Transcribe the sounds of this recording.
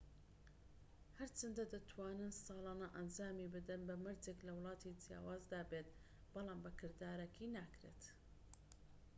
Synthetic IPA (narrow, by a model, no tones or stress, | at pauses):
hɐɾt͡ʃɐnd̪ɐd̪ɐt̪ʰwaːnɨnsɑːlɑːnɐʔɐnd͡ʒaːmibɨd̪ɨnbɐmɨɾd͡zeklɐwlˠɑːt̪ʰid͡ʒja̰ːwaːzd̪aːbeːt̪ | bɑlɑːmbɐkʰɨɾd̪aːɾɐkʰinaːkɾḛːt̪